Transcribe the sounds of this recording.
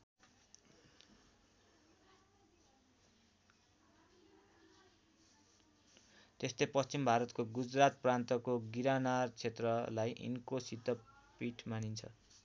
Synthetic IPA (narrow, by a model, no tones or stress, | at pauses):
t̪est̪ejpʌst͡simbʱaɾʌt̪koɡud͡zrat̪̚prant̪ʌkoɡiɾanart͡sʰet̪rʌlajʔḭnkosit̪ʌ | piʈʰmanint͡sʰʌ̰